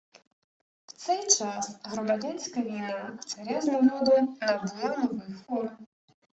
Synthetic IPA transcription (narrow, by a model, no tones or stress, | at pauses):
w̥t̪sɛjt͡ʂasɣɾɐmad͡zʲanʲskɐjvʲijnat̪saɾʲaznavɔd̪unɐd̪ɨlˠanɔvɨjfɔrm